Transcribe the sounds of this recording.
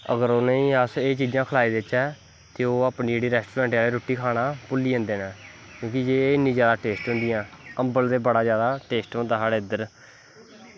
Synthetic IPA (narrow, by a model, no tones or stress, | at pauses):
ə̰ɡəɾoːnəĩːəseːt͡ʃiːd͡ʒãːkʰəlaːiːd̪ɪt͡ʃɛː | t̪eːoːaːpniːd͡ʒeːɽiːɾɛːsʈuːɾɛ̃ːɳʈaːleːɾoːʈːiːkʰaːɽãːpʊlːiːə̃nd̪eːnaːkjõːkid͡ʒeːɪnːĩːd͡ʒjaːd̪aːʈeːsʈɦʊ̃nd̪ɪjãːəmbəld̪eːbəɽaːzjaːd̪aːʈeːsʈɦõːnd̪aːsaːɽeːɪd̪əɾ